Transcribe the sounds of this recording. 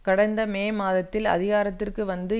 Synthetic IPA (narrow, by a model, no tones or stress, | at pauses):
kɐɽɐɪnd̪ɐmeːmaːðɐt̪ːɪlɐ̰ðɪɣaːɾɐt̪ːɪrkɯʋɐnd̪ɯ